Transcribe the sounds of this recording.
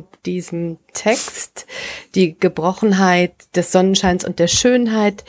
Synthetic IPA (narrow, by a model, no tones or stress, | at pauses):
d̥iːzəm̩tʰɛkstd̥iːɡ̥əbʁɔχn̩ɦaɪtd̥ɛsz̥ɔnənʃaɪnsʊ̰nt̚d̥eːɐʃøːnɦaɪt